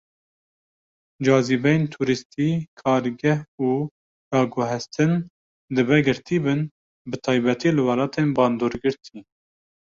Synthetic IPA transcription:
d͡ʒɑːzibɛjent̪ʰuːɾɨst̪ʰiːkʰɑːɾɡɛhuː | d̪ɑːɡʊɦɛst̪ʰɨn | d̪ɨbɛɡɨɾt̪ʰiːbɨn | bɨt̪ʰɑːjbɛt̪ʰiːlɨwɑlɑːt̪ʰeːnbɑːnd̪oːɾɡɨɾt̪ʰi

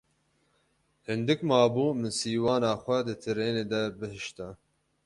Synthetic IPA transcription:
hɨnd̪ɨkmɑːbuːmɨnsiːwɑːnaːxʷɛd̪ɨt̪ʰɨɾeːneːd̪ɛbɨhɨʃt̪a

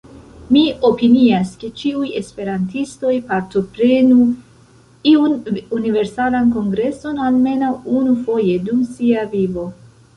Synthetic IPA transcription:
mio̞piniaske̞t͡ʃiuje̞spe̞ɾantisto̞jpaɾto̞pɾe̞nu | iununive̞ɾsalanko̞ŋɡɾe̞so̞nalme̞nawunufo̞je̞dumsiavivo̞

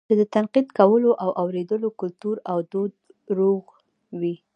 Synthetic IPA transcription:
t͡ʃed̪ət̪anqid̪kawəloʔawʔawɾed̪əlokʊlt̪uɾawd̪od̪ | ɾoɣ | wi

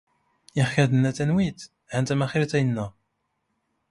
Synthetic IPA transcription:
ɪχçæðənːæt̪ːænwit̪ | hænt̪æmæχiɾt̪æjənːæ

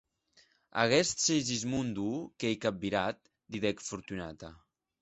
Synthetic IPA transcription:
a̰ɣɛst̪sejzizmund̪ukejkap̚biɾat̪̚ | d̪iðɛkfuɾt̪unat̪a

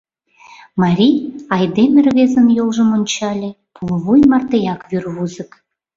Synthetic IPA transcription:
mɑɾʲijɑjd̪emʲɘrβezə̆njolˠʒə̆monʲt͡ɕɑlʲĕ | pʰulˠβujmɑrt̪ejɑkβyrβuzə̆k

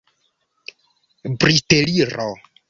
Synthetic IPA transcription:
briteliɾɔ

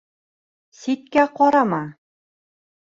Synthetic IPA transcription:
sit̪̚kæqɒɾɑmɑ

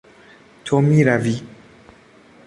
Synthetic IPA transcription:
t̪ʰomiɾavi

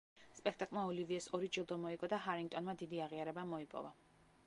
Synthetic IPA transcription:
spʼɛk̚ʰt̪ʼakʼlˠmaɔliviɛsɔɾid͡ʒilˠd̪ɔmɔiɡɔd̪aɦaɾiŋɡ̚t̪ʼɔnmad̪id̪iaʁiaɾɛbamɔipʼɔ̰va

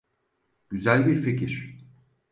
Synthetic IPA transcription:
ɟ̥yzælʲbiɾfecʰiɾ̝̥

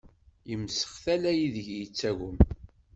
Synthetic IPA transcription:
jəmːsə̥χθælæjiðəʝjit͡sːæɣʊm

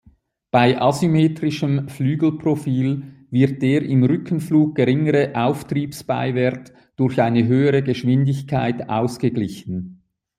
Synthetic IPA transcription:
b̥aɪʔɑsymeːtʁɪʃəmflyːɡl̩pʁ̥ofiːlvɪt̚d̥eːʁɪmʁʏkʰən̩fluːɡ̚ɡ̥əʁɪŋəʁəʔaʊftriːpsb̥a̰ɪvɛɐt | d̥ʊɐçaɪnəɦøːəʁəɡəʃv̥ɪndɪçkʰaɪtʔa̰ʊsɡ̥əɡlɪçən̩

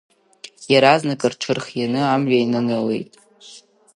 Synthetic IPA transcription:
jaɾaznɨkʼɨrʈ͡ʂʷʰɨrχjanɨamʒainɨnɨlḛjtʼ

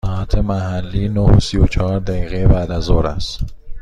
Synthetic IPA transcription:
ɒæt̪ʰemæɦælːiːnohosijot͡ʃʰɒɒɾd̪æɡiːɣejebæd̪æzoɾæs

